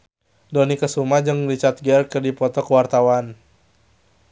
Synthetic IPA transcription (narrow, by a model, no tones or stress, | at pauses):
dɔnikəsumad͡ʒɨŋrit͡ʃart̪̚ɡɛrkərdipɔt̪ɔkəwart̪awan